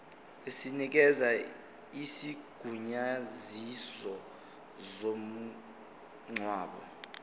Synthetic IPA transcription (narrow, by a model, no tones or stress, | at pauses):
esinik̬ɛza | isiɡ̥ʱuɲazisɔ | zom̩ | ŋ͡ǀʱwaːɓɔ̰